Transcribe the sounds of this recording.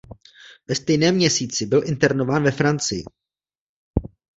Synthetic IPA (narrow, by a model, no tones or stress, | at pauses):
vɛst̪ɛjnɛːmɲɛsiːt͡sɪbɪlʔɪnt̪ɛɾno̞vaːnvɛfɾant͡sɪjɪ̰